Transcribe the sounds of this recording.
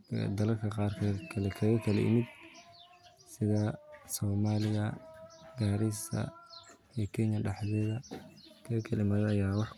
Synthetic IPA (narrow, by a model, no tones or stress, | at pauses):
d̪ɐlɐlkʰɐqɑːrkʰɐkʰɐlɛkʰɐɣɐkʰɐlɛ̰ʔɪ̰mɪd̪ | sɪðɐsɔːmaːlɪjɐɡaːɾɪsɐ̰ | ijkʰɛɲɐɖɑħðɛðɐkʰɐɣɐkʰɐlɪmɐðɐjaːwɑħ